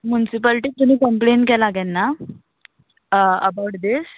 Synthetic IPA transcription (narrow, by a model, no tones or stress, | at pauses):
mjunisipəlʈiːt̪um̤iːkəmpleɳʈkɛlaɡɛnːa | əbawʈd̪is